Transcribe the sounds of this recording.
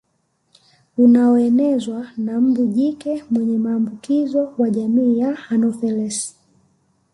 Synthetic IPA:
unaɔɛnɛzwanam̩buʄikɛmwɛɲɛmaːmbukizɔwaʄamiːjahanɔfɛlɛs

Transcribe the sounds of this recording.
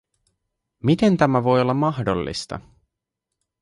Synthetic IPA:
mit̪e̞nt̪æmæʋo̞jo̞lːɑmɑɦdo̞̰lːḭst̪ɑ̰

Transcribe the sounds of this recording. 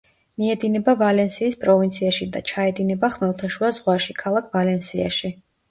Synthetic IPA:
miɛd̪inɛbavalɛnsiːspʼɾɔvint̪sʰiaʃid̪at͡ʃʰaɛd̪inɛbaχmɛlˠt̪ʰaʃuazʁwaʃikʰalˠakʰvalɛnsia̰ʃi

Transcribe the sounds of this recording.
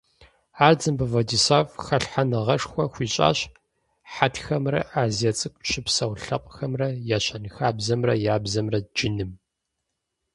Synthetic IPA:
aːrd͡zɨmbɨvɐdisaːvxɐɬħanɨʁɐʂxʷɔxʷiːɕʼa̰ːɕ | ħatʰxɐmrɐʔaːzjɐt͡sʼɨkʷʼɕɪpsɐwɬɐqʷʼxɐmrɐjaːɕɐnɨxaːbzɐmrɐjaːbzɐmrɐd͡ʒɪnɨm

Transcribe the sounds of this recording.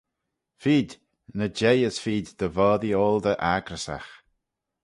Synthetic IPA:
fiːd̪ | nəd͡ʒejəsfiːd̪d̪əvɔːðioːld̪əʔaɡɾəsa̰x

